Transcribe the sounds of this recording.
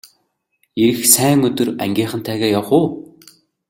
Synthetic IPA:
eɾɘ̆xsæːŋɵt̪ɵ̆ræ̰ŋɡʲiːχə̆nt̪ʰæːɣæːjawχʊː

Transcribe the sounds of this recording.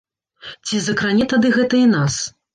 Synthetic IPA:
t͡sʲizɐkɾanʲɛt̪ad̪ɨɣɛt̪ɐinas

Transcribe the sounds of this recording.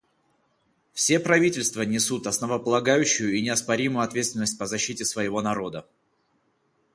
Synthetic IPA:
fsʲe̞pɾɐvʲitʲɪlʲst̪vənʲɪsut̪ɐsnəvəpəlˠɐɡajʉɕːʊjʊinʲɪɐspɐɾʲimʊjʊɐt̪vʲet̪st̪ʲɪnəsʲt̚ʲpəzɐɕːitʲɪsvəjɪvo̞nɐɾo̞d̪ə

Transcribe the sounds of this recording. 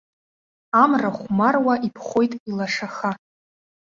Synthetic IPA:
amraχʷmarwaʔipʰχʷojtʼilaʂaχa

